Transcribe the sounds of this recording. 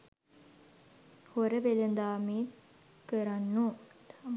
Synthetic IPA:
hoɾəʋelənd̪aːmiːt̪ | kəɾanːu

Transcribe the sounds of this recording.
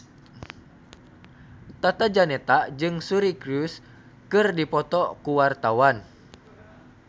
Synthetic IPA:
t̪at̪ad͡ʒanɛt̪ad͡ʒɨŋsuɾikɾus | kɨrdipɔt̪ɔkuwart̪awan

